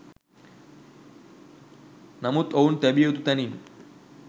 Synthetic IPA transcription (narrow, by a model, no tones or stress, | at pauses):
nɐmut̪ount̪ɐbijet̪ut̪ɐnin